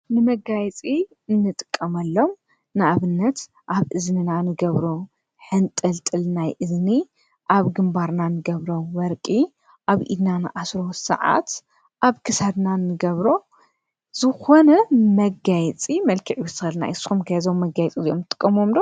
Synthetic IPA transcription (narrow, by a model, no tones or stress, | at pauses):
nɨmɐɡajɛt͡sʼi | ɨnːɨt̪ʼɨ̥kʼːɐmɐlːo̞m | nɨʔaβɨnːɐt̪ | ʔaβʔɨznɨnanɨɡɐβɾo | ħɨnt̪ʼɨlt̪ʼɨlnajʔɨzni | ʔaβɡɨmbaɾnanɨɡɐβɾo̞wɔɾkʼi | ʔaβʔḭd̪nanɨ̰ʔasɾo̞sɨ̰ʕa̰t̪ | ʔaβkʰɨsad̪nanːɨɡɐβɾo̞ | z̥ɨxo̞nɐmɐɡajɛt͡sʼimɐlkʰiʕiwɨsɨxɐlna̰jʔɨsxumkʰajɐzomːɐɡajɛt͡sʼiziʔomnɨt̪ʼɨkʼːɐmomd̪o